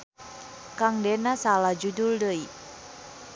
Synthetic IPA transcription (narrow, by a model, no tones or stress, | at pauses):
kaŋdɛnasalad͡ʒuduldəi